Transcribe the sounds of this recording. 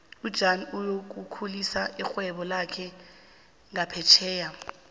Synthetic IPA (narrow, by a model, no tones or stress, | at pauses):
ud̥ʒ̥ʱanujok̬ukʰulisaʔixwɛɓɔlakʰɛ | ŋapʰɛt͡ʃʰɛːja